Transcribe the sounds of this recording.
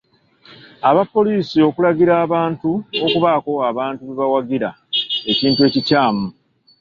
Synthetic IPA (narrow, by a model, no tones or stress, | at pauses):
aβapːo̞liːsio̞kulaɡiɾaːβaːntuo̞kuβaːko̞aβaːntuβiβawaɡiɾa | e̞ciːntue̞ːcicaːmu